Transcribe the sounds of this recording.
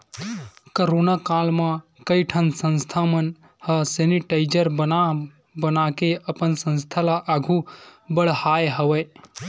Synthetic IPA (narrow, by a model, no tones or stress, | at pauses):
kəɾoːnakaːlmãkəjʈʰənsə̃nst̪ʰamən | həseniʈaɪd͡ʒəɾbəna | bənakeəpənsə̃nst̪ʰalaʔəɡʱũbəɽ̤haːjɦəʋəj